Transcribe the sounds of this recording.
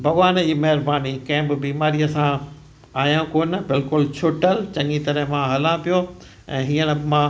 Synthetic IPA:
bʱɐɡʋaːnd͡ʑiːmɐɦɪɾbaːnikɐ̃ɦɪ̃bɪbiːmaːɾiəsã | aːjãkoːnbɪlkʊlt͡ɕʰʊʈəlt͡ɕɐ̃ŋɡit̪ɐɾəɦmãɦɐlãpijo | ɛ̃ːɦiːəñɪ̆mã

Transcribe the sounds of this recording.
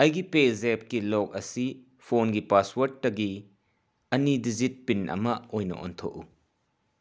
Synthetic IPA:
ɐjɡipezep̚kilɔk̚ɐsi | pʰonɡipaswɐɾtːɐɡi | ɐnidizit̚pinʔɐ̰mɐojnɐ̰ʔɔ̰nt̪ʰo̰ʔu

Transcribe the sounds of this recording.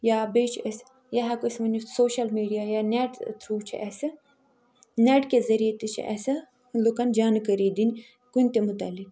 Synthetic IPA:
jaːbet͡ʃʰəs | jaɦɐkosʲmɐnʲusoːʃɐlmiːɖijaːjaneːʈt̪ʰɾuːt͡ʃʰḭʔɛːsɨ | neːʈkezɐɾijet̪it͡ʃʰḭʔɛ̰ːsɐ | lukand͡ʒaːnkəɾiːd̪inʲ | kunʲt̪emut̪aːlik

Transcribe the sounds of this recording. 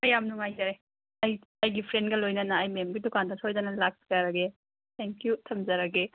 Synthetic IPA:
mɐjamnuŋajzɐɾe | ɐj | ɐjɡipʰɾendɡɐlojnɐnɐːjmemɡidukandɐsojdɐnɐlak̚si̥kaɾɐɡe | t̪ʰeŋkjutʰɐmzɐɾɐɡe

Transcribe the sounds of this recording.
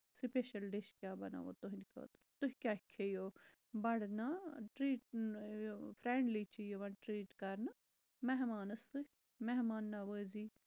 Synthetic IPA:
sipeʃɐlɖeʃkʲjaːbɐna̰ːʋo̰t̪oɦĩnikʰo̰ːt̪t̪uɦkʲjaːkʰːejo | bɐɽnaʈɾiːʈ̚ː | fɾeːɳɖlit͡ʃʰijoʋɐʈɾiːʈkɐɾna | mɛɦmaːnɐsɨ | meɦmaːnːaʋəːziː

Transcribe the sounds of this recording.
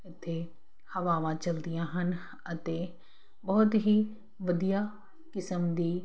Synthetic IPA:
ɪt̪ʰːe | hɐʋaːʋãt͡ʃɐld̪ijãɦənɪ̆ | ɐt̪e | bɐɦʊt̪ɦi | ʋɐd̪ija | kɪsəmd̪iː

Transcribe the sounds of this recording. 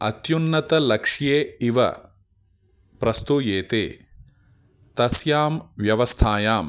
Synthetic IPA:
ɐ̰t̪junːɐt̪ɐlɐkʂjeːiʋɐ̰ | pɾɐst̪ujeːt̪eː | t̪ɐsjaːmʋjɐʋɐst̪ʰaːjaːm

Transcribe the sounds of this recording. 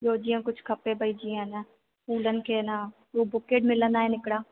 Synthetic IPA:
joːd͡ʒiãkʊt͡ʃʰkʰɐpẽbʱɐid͡ʒiːɛ̃na | puːlənkena | ʋobʊkeːʈmɪlənaɦɛnɪkɽaː

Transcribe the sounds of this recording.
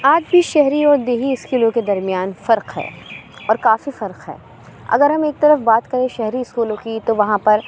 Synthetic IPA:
aːd͡ʒbʱiʃɛɦɾiɔːɾd̪eːɦiɪskuːlõked̪ɐɾmijaːnfɐɾqɦɛ̰ːɔːɾkaːfifɐɾqɦɛ̰ː | ɐ̰ɡəɾɦɐmeːk̚t̪ɐɾəfbaːt̪kɐɾẽʃɛɦɾiɪskuːlõkit̪oʋɐɦãpɐɾ

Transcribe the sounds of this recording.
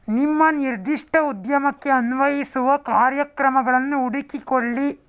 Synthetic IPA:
nimːɐniɾd̪iʂʈʰɐud̪jɐmɐkːeɐnʋɐjisuʋɐkaːɾjɐkɾɐmɐɡɐɭɐnːuːɽikikoɭːi

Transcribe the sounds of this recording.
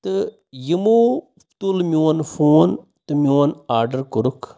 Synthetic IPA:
t̪ɨ | jimuː | t̪ulmjoːnfʰoːn | t̪ɨmjoːnaːɾɖɐɾkuɾukʰ

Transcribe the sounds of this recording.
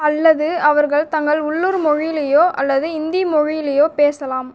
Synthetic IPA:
ɐlːɐðɯɐʋɐɾɣɐɭt̪ɐŋɡɐɭʊɭːuɾmɔɻɪjɪlɐjoːʔɐ̰lːɐðɯɪnd̪imɔɻɪjɪlɐjoːpeːsɐlaːm

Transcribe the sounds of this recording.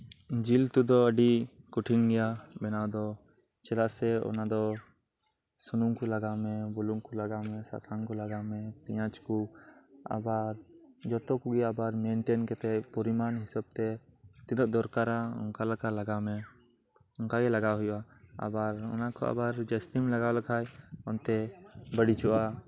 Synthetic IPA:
d͡ʒilt̪ud̪ɔəɖikuʈʰiŋɡɛjabɛnawd̪ɔ | t͡ʃɛlaʔsɛɔ̰nad̪ɔ | sunuŋkulaɡamɛbɔluŋkulaɡamɛsa̰saŋkɔlaɡamɛt̪ɛjãt͡ʃku | a̰baɾd͡ʒɔt̪ɔkuɡiabaɾmeɳʈenkɛt̪ɛpɔɾimanɦɪsab̚t̪ɛt̪ilɔʔd̪ɔɾkaɾaʊ̰nkalakalaɡamɛ | ʊnkaɡɛlaɡaɦʊja | a̰baɾɔ̰nakɔ̰a̰baɾd͡ʒəst̪imlaɡalakʰajɔnt̪ɛbəɽit͡ʃɔʔa

